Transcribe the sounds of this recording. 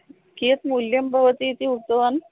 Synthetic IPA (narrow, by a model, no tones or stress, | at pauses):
ket̪muljəmbʱəʋət̪iːt̪iukt̪əʋan